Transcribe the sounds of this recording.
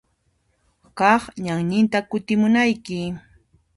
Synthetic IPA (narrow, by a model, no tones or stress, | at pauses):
kɑχɲaŋɲɪnt̪akʊt̪ɪmʊnajkɪ